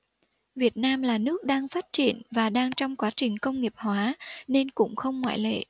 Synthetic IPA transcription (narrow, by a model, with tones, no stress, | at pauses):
vi˨˩ət̚naː˧mlaː˨˩nɨ˦˥ək̚ɗaː˧ŋfaː˦˥t̚t͡ɕḭ˧˩ənvaː˨˩ɗaː˧ŋt͡ɕɔ˧wŋ͡mkwaː˨˦t͡ɕï˨˩ŋ̟kə˧wŋ͡mŋi˨˩əp̚hwaː˨˦ne˧nkʊ̰˧˥ŋ͡mxə˧wŋ͡mŋwa̰ː˧˨jlḛ˧˨